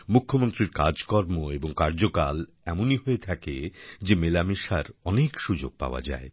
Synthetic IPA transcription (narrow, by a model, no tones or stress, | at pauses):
mukʰːomont̪ɾiɾkad͡ʑkɔɾmoeboŋkaɾd͡ʑokal | ɛmoniɦoet̪ʰaked͡ʑemelamiʃaɾɔnekʃud͡ʑo̰ɡ̥̚pa̰oa̰d͡ʑa̰e